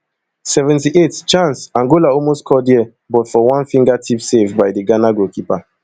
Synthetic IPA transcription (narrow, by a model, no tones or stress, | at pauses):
sɛvɛ̃ntiʔett͡ʃãnsãŋɡolaɔlmostkʰɔdiɛ | bɔtfɔwãnfĩŋɡatʰipsevbaɪdiɡanaɡokipa